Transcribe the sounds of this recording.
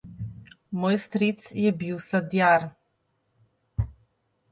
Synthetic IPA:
mɔjst̪ɾit̪sjɛbiwsad̪jaɾ

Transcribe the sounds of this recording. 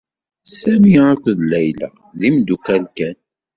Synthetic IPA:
sæmiakʷəðlæjlæ̰ | ðimd̪ukælkæn

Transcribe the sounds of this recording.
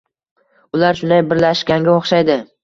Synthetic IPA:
ʊlaɾʃʊnd̪ajbɪɾlaʃkʲaŋɡʲaoχʃajd̪ɪ

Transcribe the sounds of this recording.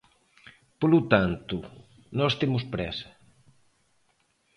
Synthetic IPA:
polut̪ant̪u | nɔst̪emʊspɾɛsɐ̥

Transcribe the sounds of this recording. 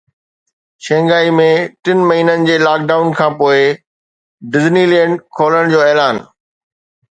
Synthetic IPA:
ʃɛ̃ːŋɡaːimẽʈɪnmɐɦiːnənɪ̆d͡ʑeːlaːk̚ɖaːʊnkʰãːpoːɪ | ɖɪznilɛ̃ːɳɖkʰoːləɽ̃d͡ʑoːɛːlaːn

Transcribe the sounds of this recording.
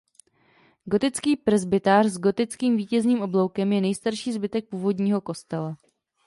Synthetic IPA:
ɡo̞t̪ɪt͡skiːpr̩zbɪt̪aːrzɡo̞t̪ɪt͡skiːmviːcɛzniːmʔo̞blowkɛmjɛnɛjst̪aɾʃiːzbɪt̪ɛk̚puːvo̞dɲiːɦo̞ko̞st̪ɛla

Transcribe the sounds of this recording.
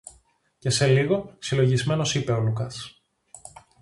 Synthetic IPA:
ce̞se̞liɣo̞silo̞ʝizme̞no̞sipe̞olukɐs

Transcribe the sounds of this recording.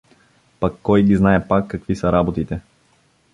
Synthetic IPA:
pɐkːɔjɡiznaɛpakːɐkvisɐɾabot̪it̪ɛ

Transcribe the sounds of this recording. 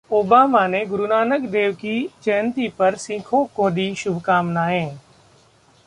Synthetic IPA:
oːbaːmaːnẽːɡʊɾunaːnəkd̪eːʋkiːt͡ʃɛɦənt̪iːpəɾsĩːkʰõːkoːɗiːʃʊbʱkaːmnaːɦẽː

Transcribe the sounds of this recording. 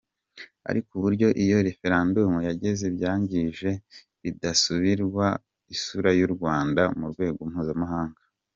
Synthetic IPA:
a̰ɾikuβuɾɟo̞ʔijo̞ɾe̞fe̞ɾaːndumujaɟe̞ze̞bjaːɲɟiʒe̞ | βidasuβiɾɡwa | isuɾajuɾɡwaːndamuɾɡwe̞ːɡom̥huːzamaɦaːŋɡḁ

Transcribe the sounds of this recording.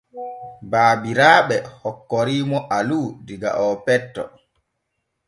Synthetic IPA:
baːbiɾaːɓɛhɔkːɔɾiːmɔʔaludiɡa̰ʔɔpɛtːɔ̰

